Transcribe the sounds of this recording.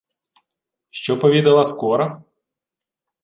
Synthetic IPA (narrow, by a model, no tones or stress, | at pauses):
ʃt͡ʃɔpɔʋʲid̪ɐlˠɐskɔɾɐ